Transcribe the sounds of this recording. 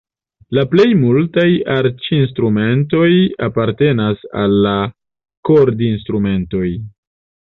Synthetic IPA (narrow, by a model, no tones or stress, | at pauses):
laple̞jmultajaɾt͡ʃinstɾume̞nto̞japaɾte̞nasa̰lːa | koɾdinstɾume̞nto̞j